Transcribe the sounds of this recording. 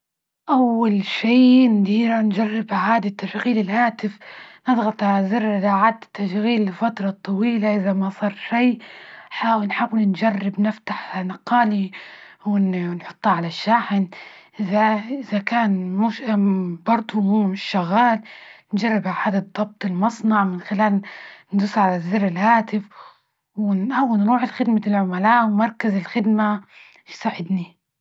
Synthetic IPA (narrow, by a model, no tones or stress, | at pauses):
ʔawːalʃiːmʊd̪iːɾand͡ʒarːɪbaʕaːd̪at̪ːafɣiːlɪlʔaːt̪ɪfnɨðˤɣɑt̪ˤʕalazɪrlaʕaːd̪t̪ːaʃɣiːlɪfat̪ɾˤɑt̪ˤːɑwiːlaʔɪðamasˤɑːɾˤʃijħaːwɪnħawɪlnd͡ʒarːɪbnɪft̪aħnɑqːɑːliwɪnnħʊ̥t̪ˤːɑʕalaʃːaːħɪnʔɪzaʔɪzakaːnmuʃbɑɾˤd̪ˤumuːmɪʃːaɣːaːlnd͡ʒarˤːɪbaħaːd̪at̪d̪ˤːɑb̚t̪ˤɪlmɑsˤnɑʕmɪnxɪlaːlnd̪ʊsʕalazːɪrːɪlhaːt̪ɪf | wɪnʔawːɪnɾuːʕɪlxɪd̪maɪlʕʊmalaːʔwmɑɾˤkazɪlxɪd̪ma | saːʕɪd̪ni